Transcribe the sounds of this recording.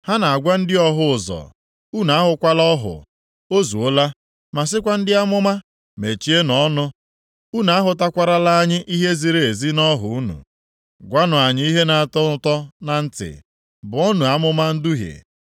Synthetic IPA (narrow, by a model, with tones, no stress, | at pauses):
ha˦na˨a˨ɡʷa˦n̩˦dɪ˦ɔ˦ɦʊ˦ʊ˨zɔ̰˨ | u˦na˨a˦ɦʊ˨kʷa˦lɔ˦ɦʊ̰˨ | o˦zu˨o˦la˦ | ma˨s̬ɪ˦kʷa˦n̩˦dɪ˦a˦mʊ˦ma˦ | me˨t͡ʃi˦e˦nɔ˦nʊ˦ | u˦na˨a˦ɦʊ˨t̬a˦kʷa˦ɾa˦la˦a˦ɲɪ˦ʔi˦ɦe˦zi˨ɾe˨e˨zi˦nɔ˦ɦʊ̰˦u˦nṵ˨ | ɡʷa˦nʊ˨a˨ɲɪ˦i˦ɦe˦na˨tɔ˦tɔ˦na˨n̩˦tɪ̰˨ | bʊ˨ɔ˦nu˨a˦mʊ˦ma˦n̩˦du˦ɦḛ˨